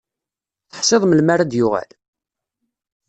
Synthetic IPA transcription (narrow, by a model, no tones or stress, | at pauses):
θə̥ħsˤeðˤməlmaɾad̪jʊʁæ̰l